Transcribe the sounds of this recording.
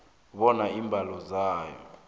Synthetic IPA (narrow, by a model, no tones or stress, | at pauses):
ɓɔnaiːmbʱalɔzaːjɔ̰